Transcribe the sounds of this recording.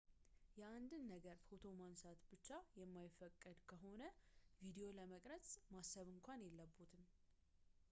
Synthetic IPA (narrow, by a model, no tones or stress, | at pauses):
jɛand̪ɨnːəɡəɾfo̞t̪ʰo̞mansat̪bɨt͡ʃːajɛmːajɪfːəkʼːɨd̪kʰəɦo̞nəvid̪ejo̞ləməkʼɾət͡sʼmasːəβɨŋkʷanjɛlːəbːut̪ʰɨm